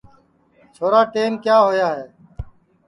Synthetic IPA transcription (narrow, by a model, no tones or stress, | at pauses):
t͡ʃʰoːɾaːʈeːnkjaːɦoːjaːɦeː